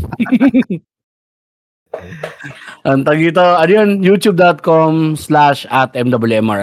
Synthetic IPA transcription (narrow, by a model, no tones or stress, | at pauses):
ʔɐnt̪ɐɡit̪̬oɐnjonjut̪jub̚d̪ot̪̚komslaʃɐt̪ʔɛmd̪ɐbɐljuɛmʔa̰ɹ